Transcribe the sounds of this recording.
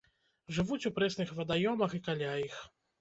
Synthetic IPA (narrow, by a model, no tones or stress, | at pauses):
ʐɨvut͡sʲupɾɛsnɨxvɐd̪ajɔmɐxikalʲajix